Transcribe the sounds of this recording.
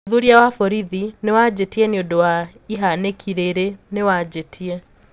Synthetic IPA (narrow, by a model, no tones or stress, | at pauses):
ðuɾiawafɔɾiðinewad͡ʑetiɛneodowa | iɦanekʰiɾeɾenewad͡ʑetʰiɛ